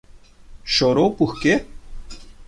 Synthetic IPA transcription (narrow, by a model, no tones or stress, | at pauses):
ɕoːɾoːpuhke